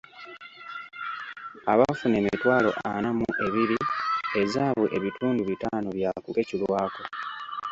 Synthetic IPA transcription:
aβafune̞mitwaːlo̞̰ʔa̰namuʔe̞βiɾie̞zaːβuʔe̞βitʰuːnduβitaːnoβjakukecilwaːko

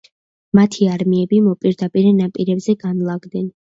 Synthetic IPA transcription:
mat̪ʰiaɾmiɛbimɔpʼiɾd̪apʼiɾɛnapʼiɾɛbzɛɡanlˠaɡd̪ɛn

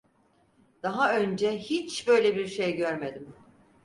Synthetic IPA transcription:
d̪̥aɦaønd͡ʒɛhit͡ʃbø̞jlʲebiɾʃejɟøɾme̞d̪im

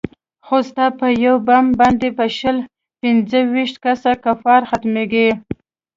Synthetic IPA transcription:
xost̪apəjawbamband̪epəʃəl | pɪnzəwiʃt̪kasakafɑɾxat̪meɡi

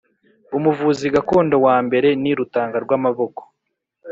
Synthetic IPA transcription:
umuvuːziɡako̞ːndo̞waːmbe̞ɾe̞niɾutaːŋɡaɾɡwaːmaβo̞ko̥

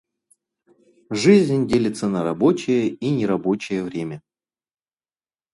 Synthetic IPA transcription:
ʐɨzʲnʲnʲdʲelʲɪt̪sənəɾɐbo̞t͡ɕɪjəinʲɪɾɐbo̞t͡ɕɪjəvɾʲemʲə

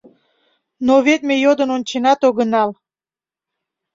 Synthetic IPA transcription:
noβet̪̚mejod̪ənonʲt͡ɕenɑt̪oɣənɑl

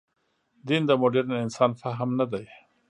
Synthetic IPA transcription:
d̪ind̪əmoɖeɾnaɪnsɑːnfaɦəmnad̪aj

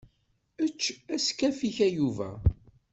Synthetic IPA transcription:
ət͡ʃːæskæfiçæjuvæ̰

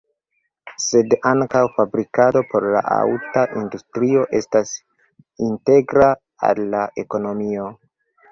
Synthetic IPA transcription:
se̞daŋkawfabɾikado̞po̞ɾla̰ʔa̰wtaʔindustɾio̞ʔe̞stas | inte̞ɡɾa | a̰lːaʔe̞ko̞no̞mio̞

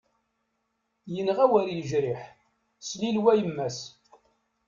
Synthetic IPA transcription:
jənʁæwæɾjəʒɾɪħ | slilwæjəmːæs

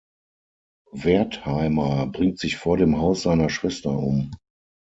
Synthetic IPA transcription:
vɛɐthaɪmɐbʁɪŋtz̥ɪçfoːɐɾeːmɦaʊsz̥aɪnɐʃv̥ɛstɐʔʊ̰m

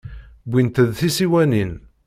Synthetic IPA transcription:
bʷint̪əðθisiwænin

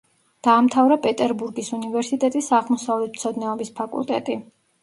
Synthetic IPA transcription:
d̪̥aːmt̪ʰavɾapʼɛt̪ʼɛɾbuɾɡisunivɛɾsit̪ʼɛt̪ʼisaʁmɔsavlɛt̪̚ʰm̥t̪sʰɔd̪nɛɔbispʰakʼṵlˠt̪ʼɛ̰t̪ʼi

